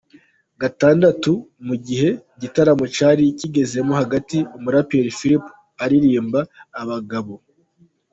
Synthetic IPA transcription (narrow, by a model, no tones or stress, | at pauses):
ɡataːndatumuɟihe̞ɟitaɾamut͡ʃaɾiciɡe̞ze̞mohaɡatiumuɾapeɾifiɾip | aɾiɾiːmbaːβaɡaβo̞